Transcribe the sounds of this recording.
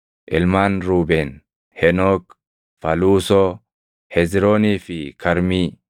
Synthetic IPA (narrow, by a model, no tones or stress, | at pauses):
ʔɪlmaːnɾuːbɛn | hɛnok | fɐluːsɔ | hɛzɾoːniːfɪkʰɐɾmiː